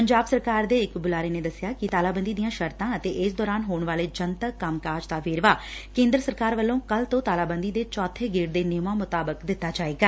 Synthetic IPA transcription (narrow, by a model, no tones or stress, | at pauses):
pəɲd͡ʒaːbsəɾkaːɾd̪eːɪkbʊlaːɾeːneːd̪əsːɪjaːkɪt̪aːlaːbənd̪iːd̪ijãːʃəɾt̪ãːət̪eːʔɪsd̪ɔːɾaːnɦoːɳʋaːleːd͡ʒənt̪əkːamkaːɾd͡ʒd̪aːʋeːɾʋaːkẽːnd̪ɾəsəɾkaːɾʋəlːõːkəlt̪õːt̪aːlaːbənd̪iːd̪eːt͡ʃɔːt̪ʰːeːɡeːɽd̪eːnɪːmaːmʊt̪aːbəkd̪ɪt̪ːaːd͡ʒaːeːɡaː